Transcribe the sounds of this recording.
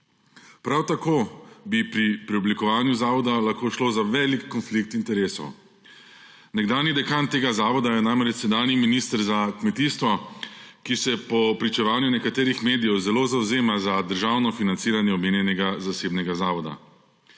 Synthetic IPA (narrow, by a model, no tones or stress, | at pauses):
pɾawt̪akoːbipɾipɾiɔblikɔʋaːnjuzaːʋɔd̪alaxkoːʃloːzaʋɛːlikːɔnflik̚t̪int̪ɛɾeːsɔ̰w | nɛɡd̪aːnjid̪ɛkant̪ːeːɡazaːʋɔd̪ajɛnamɾɛt͡ʃsɛd̪aːniminiːst̪əɾzakmɛt̪iːst̪ʋɔkisɛpɔpɾit͡ʃɛʋaːnjunɛkat̪eːɾixmeːd̪ijɛwzɛloːzawzeːmazad̪əɾʒaːwnɔfinant̪siːɾanjɛɔbmeːnjɛnɛɡazaseːbnɛɡazaːʋɔd̪a̰